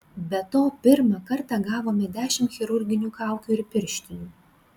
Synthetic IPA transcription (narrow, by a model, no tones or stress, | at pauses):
bʲɛt̪oːpʲɪɾmɐkɐɾt̪ɑɡɑːʋoːmʲɪd̪ʲæːʃʲɪmt̪xʲɪɾʊɾʲɡʲɪnʲuːkɑˑʊkʲuːɪɾpʲɪɾʲʃʲt̪ʲɪj̪ʲuː